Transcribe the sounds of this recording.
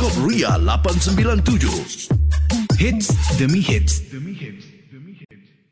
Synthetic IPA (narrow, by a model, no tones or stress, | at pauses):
ɔp̚ruja̰la̰pansəmbilant̪ud͡ʒo̰ | hɪt̪sd̪əmihɪt̪